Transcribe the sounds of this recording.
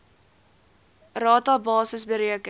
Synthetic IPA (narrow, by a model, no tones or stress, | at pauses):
rɑːtɑbɑːsəsbəɾiəkə